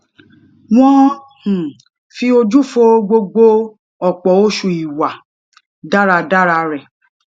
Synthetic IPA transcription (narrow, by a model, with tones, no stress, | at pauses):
w̃ɔ̃˦ | h̩˨ | fi˧o˧d͡ʒu˦fo˧ɡ͡bo˧ɡ͡bo˧ | ɔ˨k͡pɔ˨o˦ʃu˧˨i˨wa˨ | da˦ɾa˧da˦ɾa˧ɾɛ˨